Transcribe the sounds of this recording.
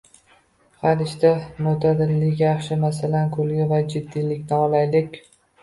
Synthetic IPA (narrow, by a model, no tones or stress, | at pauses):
halɪʃt̪amʊt̪ʰad̪ɪlːɪkʲjɑχʃɪmasalankʰɵlɡʲɪvad͡ʒɪd̪ːilɪkʲnɪɒlajlɪkʲ